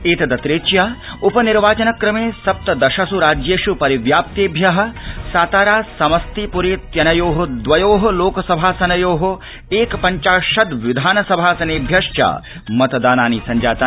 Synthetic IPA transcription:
eːt̪ɐd̪ɐt̪ɾeːt͡ʃjaːupɐniɾʋaːt͡ʃɐnɐkɾɐmeːsɐp̚t̪ɐd̪ɐʃɐsuɾaːd͡ʒjeːʃupɐɾiʋjaːp̚t̪eːbʱjɐɦɐ̆saːt̪aːɾaːsɐmɐst̪ipuɾeːt̪jɐnɐjoːɦod̪ʋɐjoːɦɐloːkɐsɐbʱaːsɐnɐjoːɦo | eːkpɐɲt͡ʃaːʃɐd̪ʋid̪ʱaːnɐsɐbʱaːsɐneːbʱjɐʂt͡ʃa̰ː | mɐt̪d̪aːnaːniːsɐɲd͡ʒaːt̪aː

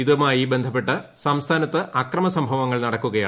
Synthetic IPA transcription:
iðumaːjibe̞nd̪ʱɐpːe̞ʈːɐ | sɐmst̪ʰaːnɐt̪ːɨʔɐkrɐmɐsɐmbʱɐʋɐŋːɐɭnɐɽɐkːuɣɐja̰ː

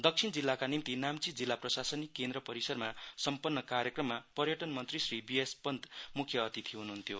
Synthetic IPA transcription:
d̪ʌksʰind͡zilːakanimt̪inamt͡sid͡zilːaprʌsasʌnikːend̪ɾʌpʌɾisʌrmasʌmpʌnːʌkaɾjʌkrʌmːapʌrjʌʈʌnmʌnt̪risribiespʌnd̪mukʰjʌːt̪it̪ʰiɦunuɦunt̪ʰjo

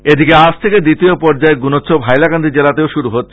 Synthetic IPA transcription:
ed̪ikead͡ʑt̪ʰeked̪it̪iopɔɾd͡ʑaeɡunot̪ːɕʰobʱajlakand̪ʱid͡ʑelat̪eoʃuɾuɦot̪ːʰ

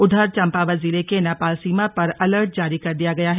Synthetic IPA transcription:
ʊd̪ʱəɾt͡ʃɐ̃mpaʋɐziːlekenaːpaːlsiːmapɐɾɐləɾʈ̚d͡ʒaːɾikɐɾd̪ijaɡɐjaɦɛ

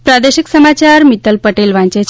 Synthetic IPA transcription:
pɾad̪eɕiksəmat͡ɕaɾmit̪əlpəʈelʋãɲt͡ɕet͡ɕʰ

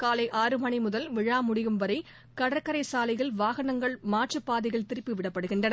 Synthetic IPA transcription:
kaːlɐɪʔaːɾɯmɐɳimʊðɐlʋɪɻaːmʊɽɪɣɯmʋɐɾɐɪ | kɐɽɐɾkɐɾɐɪsaːlɐɪɣɐlʋaːɣɐnɐŋɡɐɭmaːʈt͡ʃɯpːaːðɪɣɐɭt̪ɪɾɯpːɯʋɪɽɐpːɐɽɯɣɪɳɖɐnɐ

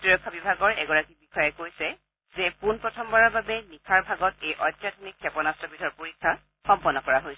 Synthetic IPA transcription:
tɹiɹɔkʰːabibʱaɡɔɹɛ̰ɡɔɹakibixɔjɛkojsɛ | zɛpunpɹɔtʰɔmbɔɹababɛnikʰaɹbʱaɡɔtejʔɔjtːjadʰʱɔnikʰːɛpɔnastɔbidʱɔɹpoɹikʰːa | xɔmpɔnːɔkɔɹaɦojsɛ

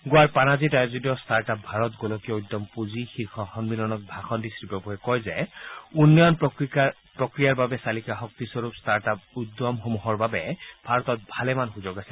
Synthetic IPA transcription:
ɡoaɹpanazitajɔzidiɔstaɹtap̚bʱaɹɔt̪ɡolɔkijɔujd̪ɔmpuzixiɹkʰɔxɔnbilɔnɔt̚bʱaxɔndisɹipɔbɔɛkɔjzɛunːɔjɔn | pɹɔkɹijaɹbabɛsalikaxɔk̚t̪isɔɹupstaɹtap̚ud̪ɔmxomuɦɔɹbabɛb̥ʱaɹɔt̪ɔt̪̚bʱalɛmanxuzoɡasɛ̥

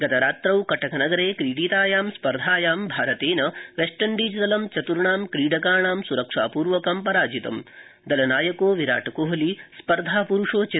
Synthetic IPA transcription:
ɡɐt̪ɐɾaːt̪ɾɐwkɐʈɐkʰɐnɐɡɐɾeːkɾiːɖiːt̪aːjaːmspɐɾd̪ʱaːjaːmbʱaːɾɐt̪eːnɐʋeʂʈɐɳɖiːd͡ʒd̪ɐlɐmt͡ʃɐt̪uɾɳaːmkɾiːɖɐkaːɳaːmsuɾɐkʂa̰ːpuːɾʋɐkɐmpɐɾaːd͡ʒit̪ɐ̰m | d̪ɐlɐnaːjɐkoːʋiɾa̰ːʈɐkoːɦɐlispɐɾd̪ʱaːpuɾuʂoːt͡ʃe

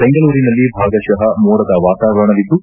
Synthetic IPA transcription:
b̥eŋɡɐɭuːɾinɐlːibʱaːɡɐʃɐɦɐmuːɾɐd̪ɐʋaːt̪aːʋɐɾɐɳɐʋid̪ːu

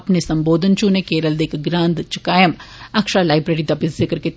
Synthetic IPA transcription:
ɐpnesɐmboːd̪ʱənt͡ʃunekeːɾəld̪eːkɡɾãːnd̪t͡ʃɪkaːjəmɐkʃaːlaːɪbɾeːɽid̪abɪszɪkəɾke

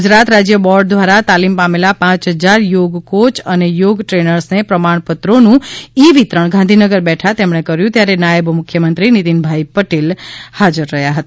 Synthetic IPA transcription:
ud͡ʒɾat̪ɾad͡ʒjəbɔɾɖ̚d̪ʋaɾat̪alimpamelapãt͡ʃɦəd͡ʒaɾjoɡkot͡ʃənejoɡʈɾenəɾsnepɾəmaɳ̃pət̪ɾonũiʋit̪ɾəɳɡʱãnd̪ʱinəɡəɾbɛʈʰat̪emɳ̃ekəɾjũt̪jaɾenajəbmʊukʰjəmənt̪ɾinit̪inbʱajpəʈelhad͡ʒəɾːəɦjaɦət̪a

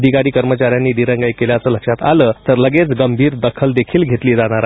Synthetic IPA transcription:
d̪ʱikaɾiːkəɾmət͡ɕaɾjanːiːd̪iɾə̃ŋɡəjkeljat͡səːləkʂat̪a̰ləːt̪əɾləɡet͡sɡəmbʱiːɾd̪əkʰəld̪ekʰiːlɡʱet̪liːd͡zaɽ̃aɾa

